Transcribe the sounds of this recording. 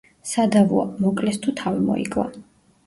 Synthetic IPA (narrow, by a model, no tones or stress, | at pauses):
sad̪avua̰mɔkʼlɛst̪ʰut̪ʰavimɔ̰ḭkʼva̰